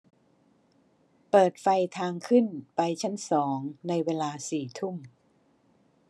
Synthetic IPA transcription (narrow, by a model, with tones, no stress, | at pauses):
pɤː˨˩t̪̚fa˧jt̪ʰaː˧ŋkʰɯ˥˩npa˧jt͡ɕʰa˦˥nsɔː˩˦ŋna˧jweː˧laː˧siː˨˩t̪ʰu˥˩m